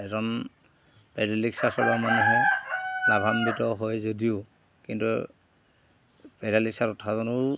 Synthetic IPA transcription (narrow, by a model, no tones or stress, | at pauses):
ɛzɔn | pɛɹaliksasɔbamanɛɦɛlabʱambitɔɦojzodiʊ | kintṵ | pɛɹaliksaɾutʰazɔnʊɹ